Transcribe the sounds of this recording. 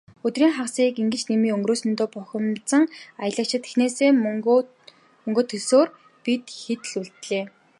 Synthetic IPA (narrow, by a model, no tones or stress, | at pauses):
ɵt̪riːŋχawsiːkiŋɡɘ̆t͡ɕnemiːŋɵŋɡroːsɵ̆nt̪oːpʊxʲɪ̆mt͡sə̆ŋajə̆ɮə̆kt͡ɕʰɪ̆t̪ʰe̥xneːseː | mɵŋɡoːt̪ʰɵɮsoːr | pit̪xet̪̆ɮuɮt̪ɮeː